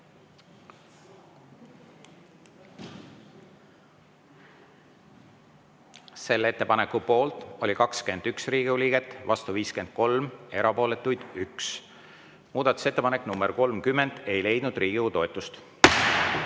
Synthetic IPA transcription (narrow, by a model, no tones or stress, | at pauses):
se̞lːe̞t̪ːe̞pɑnekːupo̞ːlt̪ˑo̞likɑkske̞nd̪̥yksriːɡ̥iuliːɡ̥et̪ːˑvɑst̪uviːske̞nd̪̥̚ko̞lme̞ɾɑpo̞ːle̞t̪ːˑujd̪̥yks | muːd̪̥ɑt̪ːˑu̥se̞t̪ːˑepɑnekːˑnumbeɾko̞lmkymːe̞nd̪̥e̞jle̞jd̪nud̪riːɡ̥iut̪o̞et̪ːˑust̪